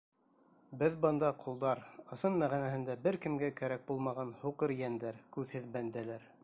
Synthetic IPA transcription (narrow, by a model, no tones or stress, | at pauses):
bɘðbɤnd̪ɑqʰulˠd̪ɑɾɤ̆sɤnmæʁinæhɘ̆nd̪æbɘɾkɘ̆mɡækæɾæk̚bulˠmɑʁɑnhuqɤɾjænd̪æɾkʉðhɘðbænd̪ælæɾ